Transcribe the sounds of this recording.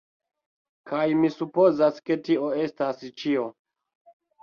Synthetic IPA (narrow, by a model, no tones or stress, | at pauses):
kajmisupo̞zaske̞tio̞e̞stast͡ʃio̞